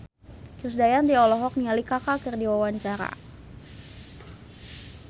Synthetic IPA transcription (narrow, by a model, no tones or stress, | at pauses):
kirs̬dajant̪iɔlɔɦɔk̚nialikakakərdiwawaɲt͡ʃaɾa̰